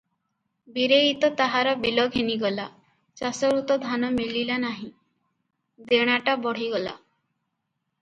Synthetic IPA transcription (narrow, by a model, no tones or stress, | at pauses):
biɾeit̪ɔt̪aɦaɾɔbilɔɡɦeniɡɔla | t͡ʃasɔɾut̪ɔd̪ʱanɔmililanaɦĩ | d̪eɽ̃aʈabɔɽ̤iɡɔla̰